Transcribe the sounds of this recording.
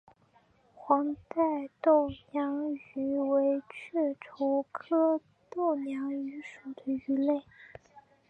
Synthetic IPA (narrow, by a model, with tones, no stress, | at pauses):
xwɑ˧˥ŋt̪a˥˧ɪt̪o˥˩ʊnjɑ˧˥ŋy˧˥we˧˥ɪt͡ɕʰɛ˥˩ʈ͡ʂʰo˧˥ʊkʰɤ˥ | t̪o˥˩ʊnjɑ˧˥ŋy˧˥ʂu˨˩d̪ə˦y˧˥le˥˩ɪ